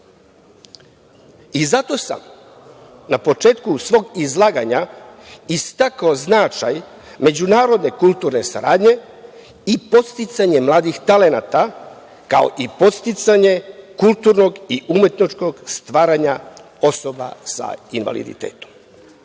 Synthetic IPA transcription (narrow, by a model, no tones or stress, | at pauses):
izat̪o̞sa̰m | napo̞t͡ʃe̞ːt̪kusʋo̞ːɡizlˠaːɡaɲa | ist̪akaoznat͡ʃaj | me̞d͡ʑunaːɾo̞d̪ne̞kult̪uɾne̞sa̰ɾaːd̪ɲe̞ | ipo̞t̪st̪it̪saɲemlˠaːd̪ixt̪ale̞naːt̪a | ka̰o̞̰ʔipo̞t̪st̪it̪saɲe̞kulˠt̪uɾno̞ɡiumje̞t̪nit͡ʃko̞ɡst̪ʋaːɾaɲa | o̞so̞ba̰sa̰inʋa̰lḭd̪ḭt̪ḛːt̪o̥m